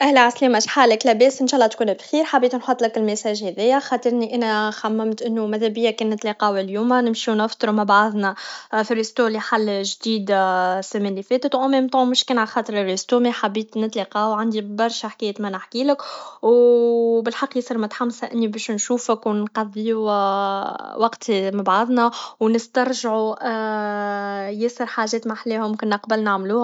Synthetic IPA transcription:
ʔæhlæʕasliːmæʃħaːlɪklæbɛːsʔɪnʃɑʔlˤːɑt̪kuːnæbxiːɾħabiːt̪nħot̪ˤlɪkɪlmæsæːʒhæðɛjːæxɑt̪ˤəɾˤniʔænæxæmːæmt̪ʔɪnːumæðæbɪjːakɛːnːɪt̪liqɑːwɪljuːmanɪmʃinɪft̪ˤɾumabaʕaðˤnafiɾist̪uːliħalːʒd̪iːd̪sɪmɪnlːifɛːt̪ət̪wʔʊmɛmt̪ˤɑmʊʃkɛːnʕalxɑːt̪ˤɨɾɪrːist̪uːmiħabːiːt̪nɪt̪liqɑːwʕand̪ibɑɾˤʃaħkɛːjːət̪manɪħkiːləkwbɪlħɑqːjɪsˤiɾmʊt̪ħamsaʔɪnːibɛːʃnʃuːfəkwnqɑðˤːiu | wɑqt̪ʰmɪbʕaðˤnæwnɪst̪ɑɾˤʒʕuʔ | jɪsˤəɾħaːʒɛːt̪maħleːhʊmmkɪnːəqbəlnaʕmluːh

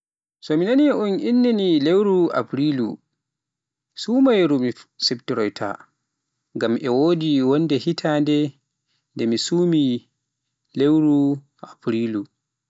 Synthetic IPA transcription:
sɔminaniʔunʔinːinilewɾua̰pɾilṵ | suːmajɾumisɛptiɾɔjtʰa̰ | ŋɡamʔɛwoːdiwɔnːdɛhitʰandɛ | ndɛmisuːmi | lewɾu | ʔapɾilu

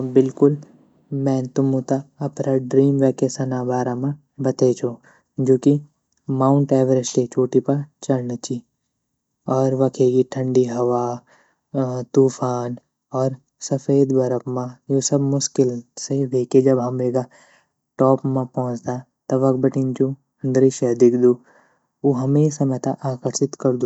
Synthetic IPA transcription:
bɪlkʊl | mɛ̃ːt̪ʊmũt̪aɐpɾaɖɾiːmʋɛːkesɐnabaːɾamã | bɐt̪et͡ʃʰo | d͡ʒoːki | maːʊ̃ɳʈɛːʋəɾɪd͡ʒket͡ʃoːʈipɐɾt͡ʃɐɾnət͡ʃʰi | ɔːɾʋɐkʰeːɡiʈʰə̃ɳɖiɦɐʋa | t̪uːfaːn | ɔːɾ | sɐfeːd̪bʱɐɾəpmãjosɐbmʊʃkɪlseʋʱeːked͡ʒɐbɦɐmeːɡa | ʈɔːpmãpɔɦʊ̃t͡ʃd̪a | t̪ɐʋɐk̚bɐʈʰĩnt͡ʃu | ə̃nd̪ɾiʃɛd̪ɪkʰd̪uː | oɦɐmeːsamɛt̪aʔaːkəɾʃɪt̪kɐɾd̪u

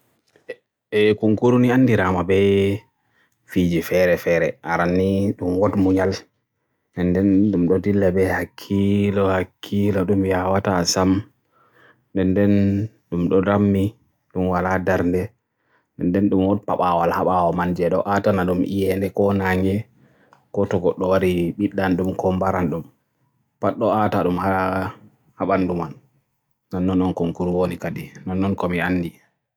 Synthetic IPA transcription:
ɛkuŋkuɾunianːdiɾamabɛ | fid͡ʒifɛɾɛfɛɾɛʔaɾanːiɗumwɔtmuɲal | ɛndɛnɗumɗɔdilːɛbɛhakʰːilɔhakʰːilɔɗumjawatasam | ndɛndɛn | ɗumɗɔɾamːi | ɗumwaladaɾndɛ | ndɛndɛnɗumwɔnpaɓawalhaɓawɔmand͡ʒɛɗɔʔatanaɗumʔḭjɛndɛkɔnaŋɛ | kɔtɔɡɔɗːɔwaɾiɓiɗːanɗumkʰɔmbaɾanɗum | paɗːɔataɗumha | haɓandumanː | anːɔnːɔnkɔmkuɾuwonikadinɔnːɔnkɔmianːdi

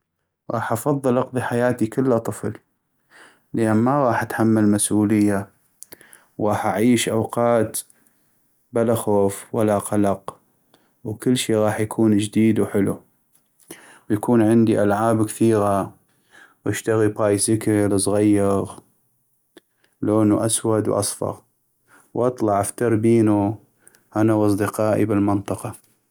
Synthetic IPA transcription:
ɣɑ̰ːħʔɑfɑðˤːɨlʔɑqðˤiħajaːt̪ikəlːat̪ˤɨfl | leʔanmaɣˤɑːħʔat̪ħamːalmasʔuːləjːa | wɣɑːħʔaʕiːʃʔawqɑːt̪ | balaxoːfwalːaqɑlɑq | wkəlːʃiːɣɑːħjakʰuːnd͡ʒd̪iːd̪wħɪlṵ | wjakuːnʕɪnd̪iʔalʕaːbkθiːɣa | wʔɪʃt̪aɣibɾaːjsɪkəlsˤɣajːɑɣ | loːnuʔaswad̪wʔɑ̰sˤfɑ̰ɣ | wʔɑt̪ˤlɑʕʔaft̪ɑɾˤbiːnu | ʔanawʔɑsˤd̪ɨqɑːʔḭbɪlmɪnt̪ˤɨqɑ

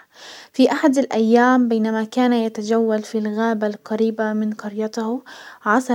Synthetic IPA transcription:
fiʔaħad̪alʔajːaːmbejːnamakaːnajat̪ad͡ʒawːalfilɣaːbalqɑɾiːbamɪnqɑɾjɑt̪hʕɑsˤɑ

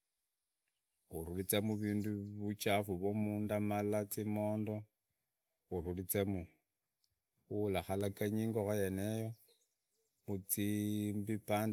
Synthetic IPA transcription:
xuɾulit͡semuβiːnduβut͡ʃafuβomuːndamalat͡simo̞ːndo̞ | uɾulit͡semu | ulaxalakaɲiːŋɡoxojenejo | mut͡simbipaːnd

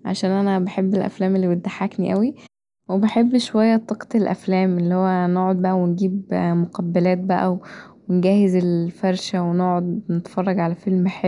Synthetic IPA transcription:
ʕa̰ʃæːnʔænæbeħebːelʔæ̰flæːmelːiwed̪ːaħːakniʔæwi | webeħebːʃowæjːæt̪ˤːɑqɑ̥t̪elʔæ̰flæːmʔelːihowːænoʕod̪̚bæʔæwenɡiːbmoqɑbːælæːt̪̚bæʔæwwenɡæːhezelfæɾˤʃæwenoʕod̪net̪fɑrˤːɑɡʕalæfelmeħe

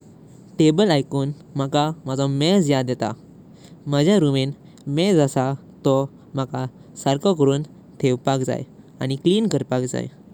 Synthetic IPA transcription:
ʈebəlajkuːn | məkaməd͡zɔmɛd͡zjad̪ɛt̪a̰ | məd͡ʑʱjaɾumen | mɛd͡zasat̪ɔ | m̤akasaɾkəkəɾuːn | t̪ʰeʋpakd͡za̰j | añikliːnkəɾpakd͡za̰j

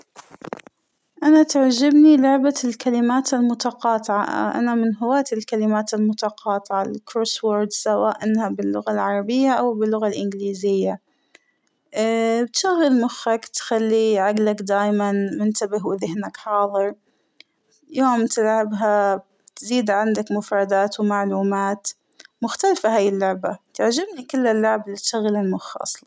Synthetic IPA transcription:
ʔanat̪aʕd͡ʒɪbnilʊʕbalkalɪmaːt̪almʊt̪ɑqɑːt̪ˤɪʕa̰a̰ʔa̰namɪnɦʊwaːt̪ɪlkalɪmaːt̪almʊt̪ɑqɑːt̪ˤɨʕalkɾoːswoɾd̪sawaːʔʔɪnːhabɪlːʊɣalʕɑɾˤɑbɪjːaʔawbɪlːʊɣalʔɪnɡliːzɪjːa | bɪt̪ʃaɣːalmʊxːakt̪xalːiʕaɡlakd̪aːjmanmʊnt̪abɪɦwɪðɪhnakħɑːðˤɨɾˤ | joːmt̪ɪlʕɪbɦab | t̪ziːd̪ʕɪnd̪akmʊfɾˤɑd̪aːt̪wmaʕluːmaːt̪ | mʊxt̪alfaɦaːjɪlːʊʕbat̪aʕd͡ʒɪbnikɪlːɪlːʊʕbɪlit̪ʃaɣːalɪlmʊxʔɑ̰sˤl

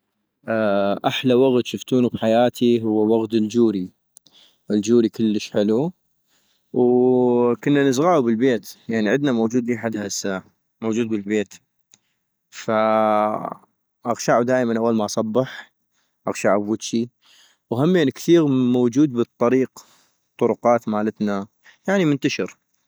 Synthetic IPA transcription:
ʔaʔaħlawaɣt̪ʃʊft̪uːnubħajaːt̪ʰiɦʊwːawaɣt̪ɪld͡ʒuːɾi | ɪld͡ʒuːɾikɪlːəʃʕɪlu | w | kʊnːanəzɣaːʕubəlbeːt̪jaʕniʕɪd̪namowd͡ʒuːd̪liːħad̪hasːa | mowːd͡ʒuːd̪̚bɪlbeːt̪ | fa | ʔɑɣʃaʕud̪aːjmanʔawːalmaʔɑsˤɑbːɪħ | ʔɑɣʃaʕubwɪd̪ʃi | whamːeːnkθiːɣmowd͡ʒuːd̪̚bɨt̪ˤːɑɾiːq | t̪ˤːʊɾʊqɑːt̪maːlat̪na | jaʕnimʊnt̪aʃɪɾ

